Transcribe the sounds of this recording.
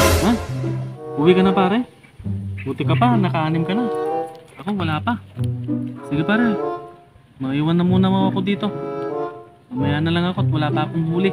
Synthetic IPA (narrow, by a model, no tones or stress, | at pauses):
a | ʊwɪkɐnapaːɾɛ | buːt̪ɪkɐpanɐkɐʔaːnɪmkɐnaʔɐko̞wɐlaːpa | sɪɡɪpaːɾɛ | mɐʔiːwanːɐmuːnɐmaɐko̞d̪iːt̪o̞ | mɐmɐjaːʔnɐlaŋɐko̞t̪̚wɐlaːpɐʔːkoŋmuːlɪ